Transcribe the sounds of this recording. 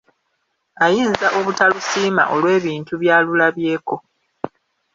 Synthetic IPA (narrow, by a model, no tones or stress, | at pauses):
ajiːnzaʔo̞βutalusiːma̰ʔo̞lwe̞ːβiːntuβjaːlulaβje̞ːko